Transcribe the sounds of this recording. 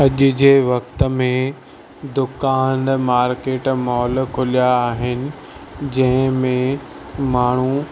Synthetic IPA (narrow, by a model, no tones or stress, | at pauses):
ɐʄʊ̆d͡ʑeːʋɐkt̪əmẽ | d̪ʊkaːnmaːɾkeːʈmɔːlkʰʊlijaːɦɪnɪ̆ | d͡ʑɐ̃ɦɪ̃mẽ | maːɳ̤u